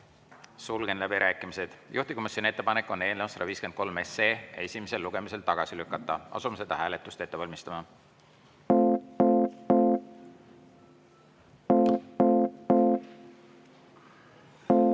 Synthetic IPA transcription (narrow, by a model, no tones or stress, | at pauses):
sulɡ̥e̞nlæbiɾʔæːkːˑimise̞d̪̥jʔuht̪i̥ko̞misʲjoniet̪ːe̞pɑnekːˑo̞ne̞ːlnesɑɾɑviːsken̥ko̞lme̞seːjɑ̰e̞sʲimese̞lːuɡ̥e̞mise̞lt̪ɑɡ̥ɑsilykːˑɑt̪ːˑɑ̰ɑ̰sumese̞d̪̥ɑhæːle̞t̪ːˑust̪e̞t̪ːe̞vɑlʲmist̪ɑmɑ